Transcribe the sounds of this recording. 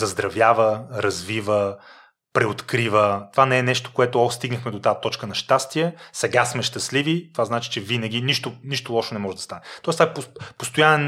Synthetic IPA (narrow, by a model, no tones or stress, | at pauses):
zɐzd̪ɾɐvjavəɾɐzvivə | pɾɛot̪kɾivət̪ovanɛɛnɛʃt̪o̥koɛt̪oɔst̪iɡnəxmɛd̪ot̪at̪ɔt͡ʃkənɐʃt̪ast̪iɛsɛɡasmɛʃt̪ɐslivit̪ovaznat͡ʃi̥t͡ʃɛvinəɡ̟ʲiniʃt̪oniʃt̪olˠɔʃonɛmɔʒɛd̪ɐst̪anɛt̪ɔɪst̪vaɛpopost̪ojanɛn